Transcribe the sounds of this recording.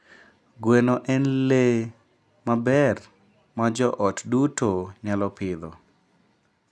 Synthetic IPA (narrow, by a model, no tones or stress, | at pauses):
ɡwenoʔɛnle | mabɛr | mad͡ʒɔʔɔtdutoɲalɔpɪd̪ɔ